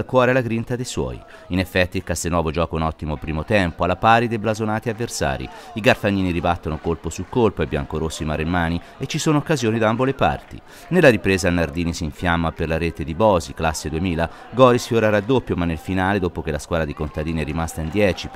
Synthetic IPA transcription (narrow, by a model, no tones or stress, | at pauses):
lkwɔːɾealaɡɾint̪ad̪ejswɔ̰ːj | inefːɛt̪ːilkast̪enwɔːvod͡ʒɔːkounɔt̪ːimopɾiːmot̪ɛmpoalːapaːɾid̪ejblazonaːt̪iavːersa̰ːɾḭiɡarfanːiːniɾibat̪ːonokolposulkolpoebja̰ŋkoɾosːoimaːɾemːaːni | et͡ʃːisoːnookːazjoːnid̪ambolepa̰rt̪ḭ | nelːaɾipɾeːzalnard̪iːnisiɱfjamːaperlaɾeːt̪ed̪ibɔːziklasːed̪uemiːla | ɡɔːɾisfjoɾaɾad̪opːjomanːelfinaːled̪oːpok̟elaskwaːd̪ad̪ikont̪ad̪iːniɛɾimast̪aind̪jɛːt͡ʃi